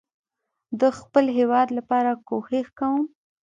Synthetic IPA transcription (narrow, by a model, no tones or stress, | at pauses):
d̪əxpəlɦewɑd̪lapɑɾakoxexkawəm